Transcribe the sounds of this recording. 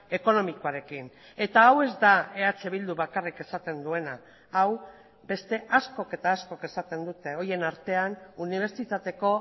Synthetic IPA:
e̞ko̞no̞mikoaɾe̞kin | e̞t̪aːwe̞zd̪ae̞at͡se̞βild̪uβakarike̞sat̪e̞nd̪ue̞naː | w | be̞st̪e̞ʔasko̞ke̞t̪aːskoke̞sat̪e̞nd̪ut̪e̞o̞je̞naɾt̪e̞anuniβ̞e̞ɾt͡ʃit̪at̪e̞ko̞

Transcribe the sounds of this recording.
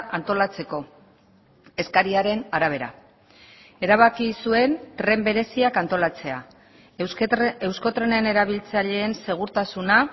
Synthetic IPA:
ant̪o̞lat͡se̞ko̞ | e̞skaɾiaɾe̞naɾaβ̞e̞ɾa̰ | e̞ɾaβ̞akisue̞nt̪ɾe̞mbe̞ɾe̞siakant̪o̞lat͡se̞a̰ | e̞wsko̞t̪ɾe̞ne̞ne̞ɾaβ̞ilt͡saʎe̞ːnse̞ɣ̞uɾt̪asuna

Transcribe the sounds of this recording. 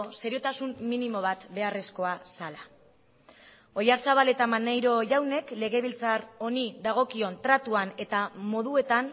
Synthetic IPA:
se̞ɾio̞t̪asumːinimo̞β̞at̪be̞are̞sko̞asala | o̞jaɾsaβale̞t̪amanajɾo̞ʝawne̞kle̞ɣe̞βilt͡saro̞niðaɣ̞o̞kio̞nt̪ɾat̪uane̞t̪amo̞ðue̞t̪an

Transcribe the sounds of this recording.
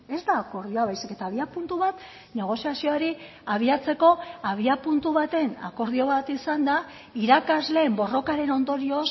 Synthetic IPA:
e̞zd̪aːko̞ɾðio̞aβajsike̞t̪aːβ̞iapunt̪uβat̪ | ne̞ɣ̞o̞siasio̞aɾi | aβ̞iat͡se̞ko̞aβ̞iapunt̪uβat̪e̞na̰ko̞ɾð̞io̞βat̪isand̪a | iɾakazle̞ːmbo̞ro̞kaɾe̞no̞nd̪o̞ɾio̞s

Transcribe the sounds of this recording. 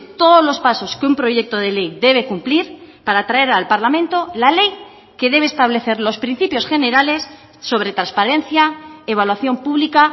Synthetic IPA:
t̪o̞ðozlo̞spaso̞skeumpɾo̞ʝe̞k̚t̪oð̞e̞le̞jðe̞β̞e̞kumpliɾpaɾat̪ɾae̞ɾalpaɾlamẽ̞nt̪o̞lale̞j | ke̞ðe̞β̞est̪aβ̞le̞θe̞ɾlo̞spɾin̟θipjo̞sxe̞ne̞ɾale̞sː | o̞β̞ɾe̞t̪ɾanspaɾẽ̞nθjaeβalwaθjo̞mpuβlika

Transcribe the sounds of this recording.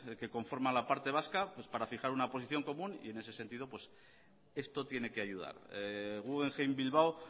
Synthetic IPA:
ke̞ko̞ɱfo̞ɾmalapaɾt̪e̞β̞askapwe̞spaɾafixaɾunapo̞siθjo̞ŋko̞mũnḭe̞ne̞se̞se̞nt̪ið̞o̞pwe̞s | e̞st̪o̞t̪je̞ne̞ke̞ajuð̞a̰ɾɣuɣeŋxejmbilβaw

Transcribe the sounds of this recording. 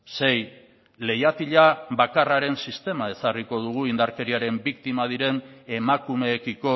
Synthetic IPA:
se̞j | le̞jat̪iʎaβakaraɾe̞nsist̪e̞mae̞sariko̞ðuɣ̞uind̪aɾke̞ɾiaɾe̞mbikt̪imað̞iɾe̞ne̞makume̞ːkiko̞

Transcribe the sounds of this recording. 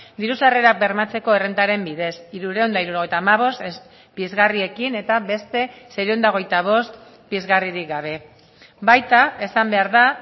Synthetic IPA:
d̪iɾusareɾak̚be̞ɾmat͡se̞ko̞e̞rent̪aɾe̞mbiðe̞siɾuɾeond̪aiɾuɾoɣ̞e̞jt̪aːmaβ̞o̞st̪es | bizɣarie̞kine̞t̪aβe̞st̪e̞seɾeond̪ao̞ɣ̞e̞jt̪aβ̞o̞st̪ | bizɣariɾik̚ɡaβ̞e̞ | bajt̪ae̞sambe̞aɾða

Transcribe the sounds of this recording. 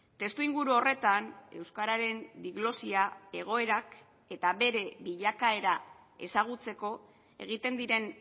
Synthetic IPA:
t̪e̞st̪uiŋɡuɾuo̞re̞t̪ane̞wskaɾaɾe̞nd̪iɣlo̞siae̞ɣ̞o̞e̞ɾak | e̞t̪aβe̞ɾe̞βiʎakae̞ɾa | e̞̰saɣ̞ut͡se̞ko̞ | e̞̰ɣ̞it̪e̞nd̪iɾe̞n

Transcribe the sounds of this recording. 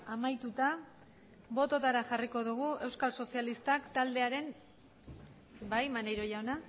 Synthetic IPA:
amajt̪ut̪a | bo̞t̪o̞t̪aɾaxariko̞ðuɣ̞ue̞wskalso̞sialist̪akt̪ald̪e̞aɾe̞n | bajmanejɾo̞jawna

